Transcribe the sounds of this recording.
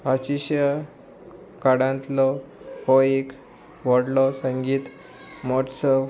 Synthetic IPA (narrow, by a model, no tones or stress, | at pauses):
ɦaɕiɕja | kaɽãnt̪lɔhɔek | ʋɔɽlɔsə̃ŋɡiːt̪ | mɔʈsə